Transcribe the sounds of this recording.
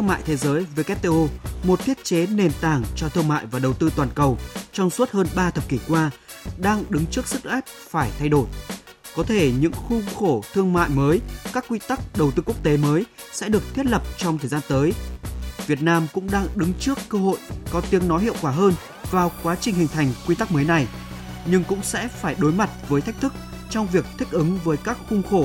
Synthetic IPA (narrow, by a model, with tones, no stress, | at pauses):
ɨ˧ŋma̰ː˧˨jt̪ʰe˨˦zəː˨˦jveː˨˦kɛ˦˥p̚t̪e˧ʔo˧mo˨˩t̚t̪ʰi˦˥ət̚t͡ɕe˨˦ne˨˩nt̪aː˨˩ŋt͡ɕɔ˧t̪ʰɨ˧əŋma̰ː˧˨jvaː˨˩ɗə˨˩wt̪ɨ˧t̪waː˨˩nkə˨˩wt͡ɕɔ˧wŋ͡msu˦˥t̚həː˧nɓaː˧t̪ʰə˨˩p̚ki˧˩kwaː˧ | ɗaː˧ŋɗɨ˨˦ŋt͡ɕɨ˦˥ək̚sɨ˦˥k̚ʔɛ˦˥p̚faː˧˩jt̪ʰa˧jɗo˧˩j | kɔ˨˦t̪ʰe˧˩ɲɨ̰˧˥ŋxʊ˧ŋ͡mxo˧˩t̪ʰɨ˧əŋma̰ː˧˨jməː˨˦jkaː˦˥kːwi˧t̪a˦˥k̚ɗə˨˩wt̪ɨ˧ku˦˥ək̚t̪e˨˦məː˨˦j | sɛ̰˧˥ɗɨ˨˩ək̚t̪ʰi˦˥ət̚lə˨˩p̚t͡ɕɔ˧wŋ͡mt̪ʰəː˨˩jzaː˧nt̪əː˨˦jvi˨˩ət̚naː˧mkʊ̰˧˥ŋ͡mɗaː˧ŋɗɨ˨˦ŋt͡ɕɨ˦˥əkːəː˧ho̰˧˨jkɔ˨˦t̪i˨˦əŋnɔ˨˦jhi˧˨əwkwaː˧˩ɦəː˧n | vaː˨˩wkwaː˨˦t͡ɕï˨˩ŋ̟hï˨˩ŋ̟t̪ʰa˨˩jŋ̟kwi˧t̪a˦˥k̚məː˨˦jna˨˩j | ɲɨ˧ŋkʊ̰˧˥ŋ͡msɛ̰˧˥faː˧˩jɗo˨˦jma˨˩t̚vəː˨˦jt̪ʰa˦˥jk̚t̪ʰɨ˦˥k̚ | t͡ɕɔ˧wŋ͡mvi˨˩ək̚t̪ʰï˦˥k̟̚ʔɨ˨˦ŋvəː˨˦jkaː˦˥k̚xʊ˧ŋ͡mxo˧˩